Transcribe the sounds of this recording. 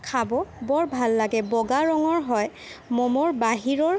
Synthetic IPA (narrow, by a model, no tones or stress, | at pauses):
kʰabɔbɔɹbʱalːaɡɛbɔɡaɹɔŋɔɹɦɔj | mɔmɔɹbaɦiɹɔɹ